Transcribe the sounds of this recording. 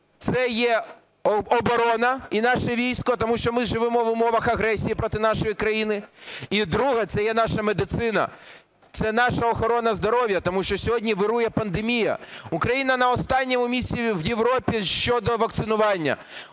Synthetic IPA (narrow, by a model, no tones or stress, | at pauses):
t̪sɛjɛ | ɔbɔɾɔnɐinɑʃɛʋʲijsʲkɔt̪ɔmuʃt͡ʃɔmɪʒɪʋɪmɔʋʊmɔʋɐxɐɦɾɛsʲijipɾɔt̪ɪnɑʃɔjikɾɐjinɪid̪ɾuɦɐt̪sɛjɛn̪ɑʃɐmed̪ɪt̪sɪnɐ̰ | t̪sɛnɑʃɐɔxɔɾɔnɐzd̪ɔɾɔʋʲjɐt̪ɔmuʃt͡ʃɔsʲɔɦɔdʲnʲiʋɪɾujɛpɐnd̪emʲijɐ̰ukɾɐjinɐnɐɔst̪ɑnʲːɔmʊmʲisʲt͡sʲiʋjeʋɾɔpʲiʃt͡ʃɔd̪ɔʋɐk̚t̪sɪnʊʋɑnʲːɐ̰